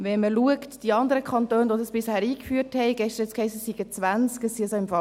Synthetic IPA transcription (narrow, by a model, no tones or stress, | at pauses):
ʋɛnməluəktd̥iɑnd̪əɾəkʰχɑnt̪øːnʋodɑsb̥ɪshæːɾiːkfyːərthɛɪɡɛʃt̪əɾ̩ɛt͡skhɛɪsəssiɡ̥ət͡sʋænt͡skəsisoɪmfɑ